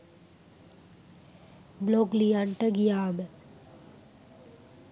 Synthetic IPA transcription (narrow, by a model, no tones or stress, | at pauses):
bloɡlijaɳʈəɡijaːmə